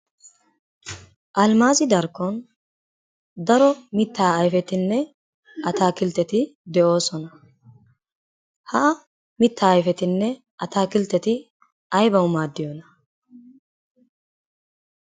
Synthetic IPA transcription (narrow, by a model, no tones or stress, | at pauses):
ʔɐlmaːzɪd̪ɐɾkːɔn | d̪ɐɾɔmɪt̪ʰːaːɐjfɛt̪ɪnːɛ | ʔɐt̪aːkɪlt̪ːɛt̪ɪd̪ɛʔo̞ːsɔnɐ | hɐ | mɪt̪ʰːaːjfɛt̪ɪnːɛ | ɐt̪aːkɪlt̪ːɛt̪ɪ | ɐjbɐwmaːd̪ːɪjɔnɐ